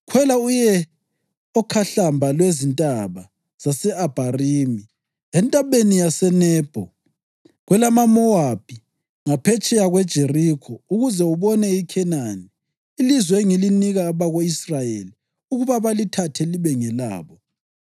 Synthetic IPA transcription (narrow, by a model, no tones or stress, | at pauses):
kʰwɛlaujɛ | ɔkʰaɬambʱalwezintʼaβa | z̥asɛab̥ʱariːmi | ɛntʼaβenijasɛnɛːb̥ʱɔ | ɣwɛlamamɔab̥ʱi | ŋapʰɛt͡ʃʼɛjaɣwɛd̥ʒ̥ʱerikʰɔuɣuzɛuβɔnɛikʰɛnaniː | lizwɛeŋiliniɣaːβaɣoisrajeli | uɣuβaβalitʰatʰɛliβɛŋɛla̰ːβɔ